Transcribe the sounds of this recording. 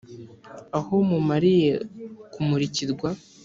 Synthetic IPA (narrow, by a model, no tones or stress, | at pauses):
aho̞mumaɾije̞kumuɾiciɾɡwa